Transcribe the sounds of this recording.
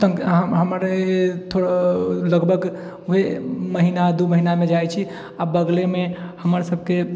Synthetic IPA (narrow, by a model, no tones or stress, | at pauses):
sə̃ɦəɦəməɾt̪ʰoɽaləɡbʱəɡ | uɦeməɦinad̪uməɦinamed͡ʒajt͡ʃʰi | abəɡlemehəməɾsəb̚ʱke